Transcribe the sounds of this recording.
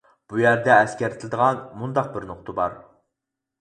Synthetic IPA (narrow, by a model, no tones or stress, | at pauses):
b̥ujæɾd̪ɛːskʲæɾt̪ʰɪlɪd̪əʁɑnmund̪ɑq̚bɪɾnʊqt̪ʰɨbɑɾ